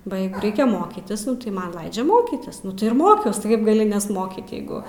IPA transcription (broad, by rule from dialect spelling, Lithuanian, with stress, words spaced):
bɐ ˈjɛɪɡʊ ˈrʲɛɪkʲɛ moːkʲiːtʲɪs tɐɪ ˈmɐn ˈlˠɐɪd͡ʒʲɛ ˈmoːkʲiːtʲɪs nʊ tɐɪ ɪr ˈmoːkʲɛʊs tʲɪ ˈkɐɪp ɡɐˈlʲɪ nʲɛsˈmoːkʲiːt ˈjɛɪɡʊ